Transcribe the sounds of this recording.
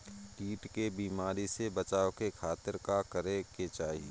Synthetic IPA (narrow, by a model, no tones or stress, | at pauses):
kiːʈkebiːmaːɾisebət͡ʃaːokekʰaːt̪ɪɾkakəɾeket͡ʃaːɦie